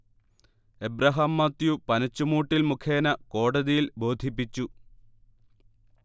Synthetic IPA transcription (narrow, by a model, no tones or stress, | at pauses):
ebrɐɦɐmːɐt̪jupɐnɐt͡ɕːumuːʈːilmukʰe̞ːnɐko̞ːɽɐðijilbo̞ːd̪ʱipːit͡ɕːu